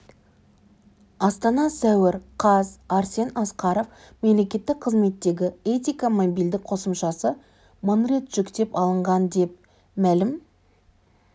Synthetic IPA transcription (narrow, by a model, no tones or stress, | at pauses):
ɑst̪ɑnɑsæwɪɾqʰɑzɑɾse̞nɑsqɑɾo̞f | me̞mle̞kʲe̞t̪ːɪk̚qʰəzme̞t̪ːe̞ɡʲɪe̞t̪ʲijkamobijld̪ɪk̚qʰo̞səmʃɑsə | monret̪ʒ̥ʏkt̪e̞pɑlˠəɴʁɑnd̪e̞p̚ | mælɪm